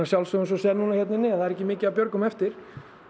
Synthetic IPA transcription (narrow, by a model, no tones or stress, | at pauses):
asjawlsœɣs̬ɔsɛːɾnuːnaçjɛt̪nɪnɪaθaðɛɾɛhcːɪmɪːcɪavpjœɾkʏmɛft̪ɪɾ̥